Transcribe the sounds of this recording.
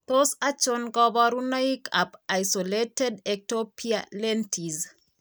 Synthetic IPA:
t̪osat͡ʃonɡɔbɔɾunaikʰapajsoletɛdek̚topʰialentʰiz

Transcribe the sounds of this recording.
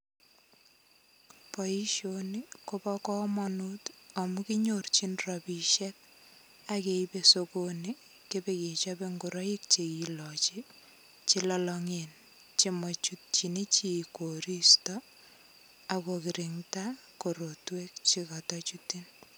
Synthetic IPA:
pɔiʃonikopɔkɔmɔnutamukɪɲort͡ʃinrɔbiʃɛk̚ | akeipesokoni | kebeket͡ʃɔbeŋɡuɾɔik̚t͡ʃekilɔt͡ʃi | t͡ʃilɔlɔŋen | t͡ʃemɔt͡ʃut̚t͡ʃinet͡ʃikoɾistɔ | akokɪɾɪŋta | koɾotwek̚t͡ʃikatɔt͡ʃutːin

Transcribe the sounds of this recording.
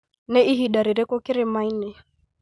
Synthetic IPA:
nɛiɦiɗaɾiɾɛkɔkiɾɛmainɛ

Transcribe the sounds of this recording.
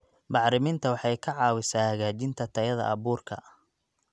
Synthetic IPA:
bɑʕɾɪmɪnt̪ʰɐwɑħɑjkʰɐʕɑːwɪsaːhɐɣaːt͡ʃɪnt̪ʰɐt̪ʰɐjɐðɐ̰ʔɐβuːrkʰɐ̰

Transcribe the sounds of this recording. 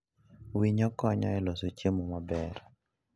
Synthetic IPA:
wiɲɔkɔɲɔɛlosot͡ʃemomabɛɾ

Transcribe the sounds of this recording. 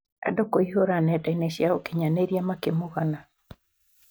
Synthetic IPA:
a̰dokoiɦoɾanɛtaineɕjaokeɲaneɾiamakemoɣana

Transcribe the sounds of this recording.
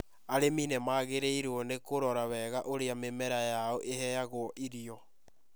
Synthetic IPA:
aɾeminemaːɣeɾeiɾwɔnekoɾɔɾawɛɣaʔoɾeamemɛɾajaɔʔehɛjaɣwɔʔiɾiɔ

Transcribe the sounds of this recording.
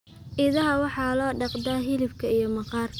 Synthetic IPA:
ʔɪðɐɦɐwɑħɑːlɔːɖɑqd̪aːɦɪlɪbkʰɐijɞmɑqɑːrʰ

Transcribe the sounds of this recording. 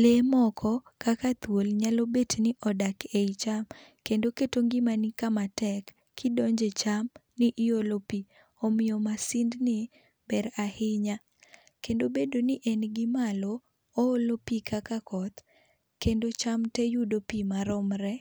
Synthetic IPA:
lemɔkʰɔkakat̪wolɲalobetnɪʔɔdakeit͡ʃamkendoketoŋɡɪmanikamatɛkːʰ | ɪdɔɲd͡ʒet͡ʃamnɪʔɪolopi | omɪjɔmasɪndnɪ | bɛɾahɪɲa | kendobedonɪʔɛnɡɪmaloː | olopikʰakakɔt̪ | kendot͡ʃamtɛjudopimaɾɔmɾɛ

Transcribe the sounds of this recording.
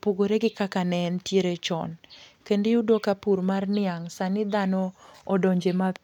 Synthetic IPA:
poɡoɾeɡɪkakanɛntjeɾet͡ʃɔ̰nkendɪudokapuɾmarnɪaŋsanɪd̪anɔːdoɲd͡ʒema

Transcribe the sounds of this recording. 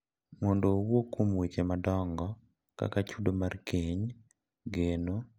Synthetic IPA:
mɔndowokːomwet͡ʃemadɔŋɡɔ | ka̰kat͡ʃudomarkiɲ | ɡeno

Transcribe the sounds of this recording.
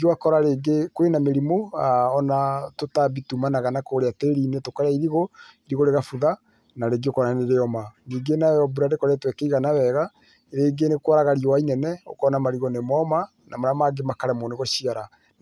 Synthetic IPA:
ɡakɔɾaɾeɡekwenameɾimoaɔnatotabitumanaɣanakoɾeateɾiːnetokaɾaiɾiɣoiɾiɣoɾeɣafuða | naɾeɡiokɔɾaneɾeɔmaniːɡenaɔbuɾadekɔɾɛtwɛkɛiɣanawɛɣa | ɾeːɡenekwaɾaɣaɾijowainɛnɛo̰kɔnamaɾiɣɔnemɔma | namaɾamaɡemakaɾɛmɔneɣoʃiaɾa

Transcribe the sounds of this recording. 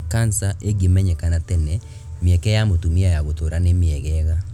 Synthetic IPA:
kansaʔeɡimɛɲɛkanatɛnɛ | miɛkɛamotumiajaɣot̪oɾanemiɛɣɛɣa

